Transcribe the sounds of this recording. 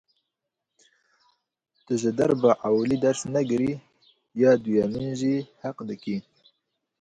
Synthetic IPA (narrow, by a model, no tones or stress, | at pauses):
t̪ɨʒɪd̪aɾbəʔawlid̪aɾsnaɡɨɾi | jɑːd̪ujaminʒihaqd̪əki